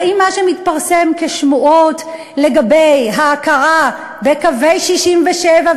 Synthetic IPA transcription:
imːaʃemit̪paʁse̞mkeʃmuʔo̞t | le̞ɡabejɦaːkaʁa | bekave̞jʃiʃimveʃeva

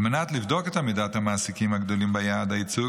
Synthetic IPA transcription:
menat̪livd̪o̞ket̪hamid̪at̪hamaːsikimhaɡd̪o̞limbajad̪ait͡su

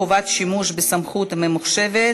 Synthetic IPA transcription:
ovat̪ʃimuʃbesamχut̪memuχʃe̞ve

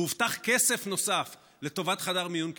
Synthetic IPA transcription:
ivt̪aχkese̞fno̞saf | le̞t̪o̞vat̪χadaʁmijunk

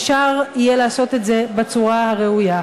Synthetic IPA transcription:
ʃaʁijeleːso̞t̪e̞tze̞bet͡suʁahaʁe̞uja

